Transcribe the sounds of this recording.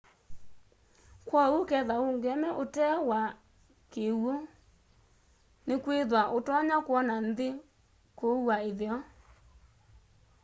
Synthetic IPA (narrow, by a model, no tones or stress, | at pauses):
kwɔokɛðaoŋɡɛmɛʔotɛwa | kewo | nekweðwaʔotɔɲakwɔnanðe | kowaeðeɔ